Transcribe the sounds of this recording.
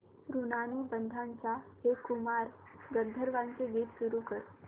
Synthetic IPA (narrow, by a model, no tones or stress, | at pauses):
ɾunanubənd̪ʱãnt͡ɕahekumaɾ | ɡəɾd̪ʱəɾʋãnkeɡit̪ʃuɾukəɾ